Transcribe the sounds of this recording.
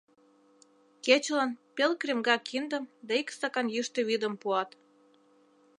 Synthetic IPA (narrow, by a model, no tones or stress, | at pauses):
ket͡ɕlɑnpelkremɡɑkʰind̪ə̆md̪ɑikst̪ɑkɑnjyʃt̪ĕβid̪ə̆mpuɑt̪